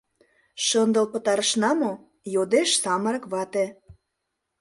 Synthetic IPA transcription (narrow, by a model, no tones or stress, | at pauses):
ʃənd̪ə̆lpə̆t̪ɑɾə̆ʃnɑmo | jod̪eʃsɑməɾə̆kβɑt̪ĕ